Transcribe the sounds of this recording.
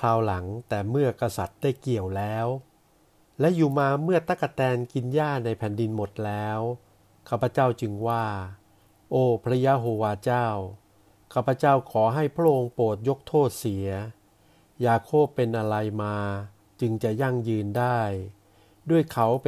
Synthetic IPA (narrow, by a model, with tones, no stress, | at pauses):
pʰaː˧wla˩˦ŋt̪ɛː˨˩mɯ˥˩ɐka˧sa˨˩t̪̚da˥˩jki˨˩əwlɛː˦˥w | lɛ˦˥juː˨˩maː˧mɯ˥˩ɐt̪a˦˥˩kːa˧t̪ɛː˧nki˧njaː˥˩na˧jpʰɛː˩˦ndi˧nmo˨˩t̪̚lɛː˦˥w | kʰaː˥˩pʰːa˧˦t͡ɕaː˥˩wt͡ɕɯ˧ŋwaː˥˩ | ʔoː˧˩pʰɾa˦˥jaː˦˥ɦoː˧waː˧t͡ɕaː˥˩w | kʰaː˥˩pʰːa˧t͡ɕaː˥˩wkʰɔː˩˦ɦa˥˩jpʰɾa˥˩ʔo˧ŋpoː˨˩t̪̚jo˦˥k̚t̪ʰoː˥˩t̪̚si˩˦ɐ | jaː˧kʰoː˥˩pːe˧nʔa˧ɾa˧jmaː˧ | t͡ɕɯ˧ŋt͡ɕa˨˩ja˥˩ŋjɯː˧ndaː˥˩j | du˥˩əjkʰa˦˥w